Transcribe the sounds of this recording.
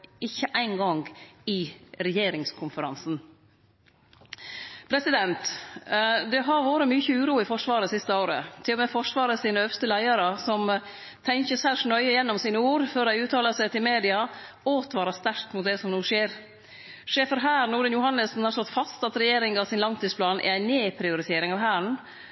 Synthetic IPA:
ɪçːəʔæɪnɡɔŋɡɪɾɛjeːɾɪŋskʰʊnfəɾɑ̰nsn̩ | pʰɾɛsɪd̪ɛnt̪ | d̪ɛɦɑɾʋoːɾəmyːçəʉːɾuːɪfɔʂʋɑːɾəsɪst̪əoːɾə̰t̪ʰɪlɔmɛfɔʂʋɑːɾəsiːnəœʋst̪əlæɪɑɾəsɔm | t̪ʰɛŋçəsæʂɳœʏəɪjɛnːɔmsiːnəuːɾføːɾæɪʉːt̪ʰɑːləsæt̪ʰɪlmeːd̪ɪɑ | oːt̪ʰʋɑːɾɑst̪æɾkt̪mʊt̪̚d̪ɛsɔmnuːʂeːɾ | ʂeːfəɾɦæːɾnʊːɖənjʊhɑnːəsn̩hɑɾst̪ɔt̪fɑst̪ɑt̪ɾɛjeːɾɪŋɑʋsɪnlɑŋt̪ʰiːspʰlɑːnʔɛ̰æɪneːpʰɾɪʊɾɪt̪ʰeːɾɪŋɑːʋɦæːɳ̩

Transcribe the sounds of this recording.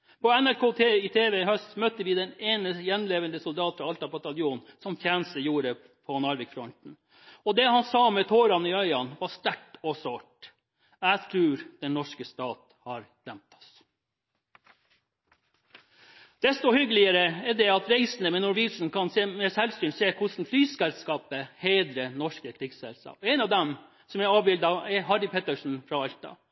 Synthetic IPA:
pʰɔɛnæɾkʰoːt̪ʰeːɪt̪ʰeːʋɛhœst̪mœt̪əʋɪd̪ɛneːnəjɛnleːʋənd̪əsʊld̪ɑːt̪fɾɑɑlt̪ɑbɑt̪ɑljuːnsɔmfjæːnəst̪əjuːɾə | pʰɔnɑɾʋɪkfɾɔnt̪n̩ | ɔd̪ɛhɑnsɑːmɛt̪ʰoːɾɑnɪœʏɑnʋɑst̪æʈɔsoːʈ | æɪt̪ʰɾʉːɾd̪̥ɛnnɔʂkəst̪ɑːt̪ | hɑɾd̪̥ɛmt̪ʰɑ̥s | d̪̥ɛst̪ɔhʏɡəlɪəɾəɛd̪ɛɑt̪ɾeɪsn̩əmɛnʊɾʋisn̩kɑnsmɛsɛlsyːɳseːkʰʊsn̩flyːsɛlskɑːpəheːd̪ɾənɔʂkəkʰɾɪɡsɛlskɑ̰ːpɛɪnɑʋd̪ɛm | sɔmæɑːʋbɪld̪ɑɛhɑɖɪpʰɛt̪əʂn̩fɾɑɑʎt̪ɑ̰

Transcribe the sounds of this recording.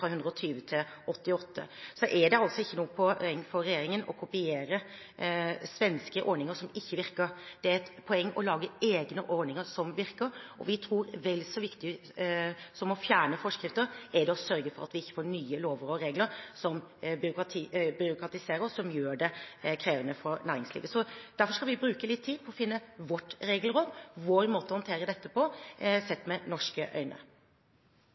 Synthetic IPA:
fɾɑhʉnd̪ɾəɔt̪ʰyːʋət̪ʰɪl | ʔɔt̪ːɪɔt̪ʰːə̰sɔʔɛɖɛɑlsɔɪçːənuːəpʰɔɛŋːfɔɾɾɛjeːɾɪŋənɔ̰kʰʊpɪeːɾə | sʋɛnskəʔɔɾɳɪŋəʂɔmɪçːəʋɪɾkəɾd̪̥ɛæɾɛt̪pʰɔɛŋːɔlɑːɡəeːɡnəʔɔɳɪŋəsɔmʋɪɾkəɾɔ̰ʋɪt̪ʰɾuːɾʋɛlːsɔʋɪkt̪ɪ | sɔmɔfjæːɳəfɔʂkɾɪft̪əɾɛd̪ɛɔsœɾɡəfɔɾɑ̰t̪ʋɪɪçːə̥foːɳyːəloːʋəɾɔɾeːɡləɾsɔmbʏɾʊkɾɑt̪ʰiːbʏɾʊkɾɑt̪ɪseːɾəɾsɔmjøːɖɛkʰɾeːʋənəfɔɾnæːɾɪŋslḭːʋəsɔd̪̥æɾfɔʂkɑlʋɪbɾʉːkəlɪt̪ʰːiːd̪̚pʰɔɔfɪnːəʋɔʈːɾeːɡəlɾoːd̪ʋoːɾmoːt̪əɔhɔnt̪ʰeːɾəd̪ɛt̪ːəpʰɔsɛt̪ːmɛnɔʂkəʔœ̰ʏnə̰

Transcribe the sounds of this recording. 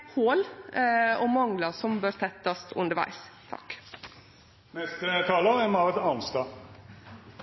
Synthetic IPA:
hoːl | ɔmɑŋlɑsɔmbøːɾt̪ʰɛt̪ːɑst̪ʰʉ̰nd̪əɾʋæ̰ɪst̪ʰɑ̰kː | nɛst̪ət̪ʰɑːləʁɛmɑʁət̪ɑʊnst̪ɑː

